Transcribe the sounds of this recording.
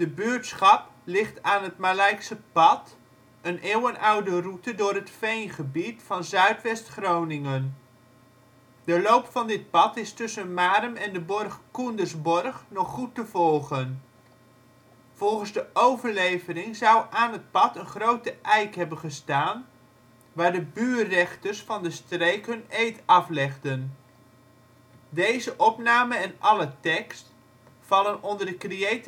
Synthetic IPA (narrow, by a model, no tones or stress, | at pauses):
d̥əbyːɹtsχɑplɪχtaːnɦətmalɛjksəpɑt | ənʔeːwənʔʌwdərutədʊːrɦətfejnχəbitfɑnzœɥtʋɛstχrownɪŋən | d̥əlowpfɑndɪt̚pɑtɪstɵsənmaːɾəmɛndəbɔrχkundəɹzbɔrχnɔχːutəvɔlˠχən | v̥ɔlˠχənzdəʔowvəɹlejvərɪŋzʌwʔaːnɦət̚pɑtənχrowtəʔɛjkɦɛbənχəstaːn | ʋaːɹdəbyːɛχtərsfɑndəstrejkɦɵnejtɑflɛχdən | dejzəʔɔpnaːməɛnʔɑlətɛkst | fɑlənɔndəɹdəkriejt